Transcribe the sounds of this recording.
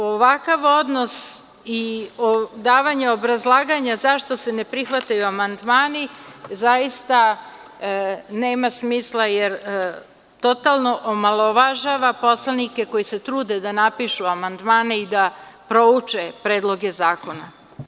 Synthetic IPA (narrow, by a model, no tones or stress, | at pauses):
oʋakaʋo̞d̪nos | iod̪aːʋaɲeo̞bɾazlˠaːɡaɲazaʃt̪o̞se̞ne̞pɾixʋat̪ajuamand̪maːnizajist̪a | ne̞ːmasmiːslˠajeɾ | t̪o̞t̪alˠno̞ʔomalˠoʋaʒaʋapo̞slˠanike̞ko̞jise̞t̪ɾuːd̪ed̪anapiʃuamand̪maːneid̪apɾo̞ut͡ʂepɾeːd̪lˠo̞ɡe̞zaːko̞na